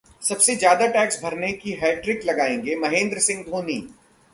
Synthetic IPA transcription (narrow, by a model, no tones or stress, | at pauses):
sɐbsed͡ʒjaːd̪aʈɛːksbʱɐɾnekiɦaːɖɾɪklɐɡaːẽːŋɡemɐɦẽːnd̪ɾəsɪ̃ŋɡd̪ʱoːnḭː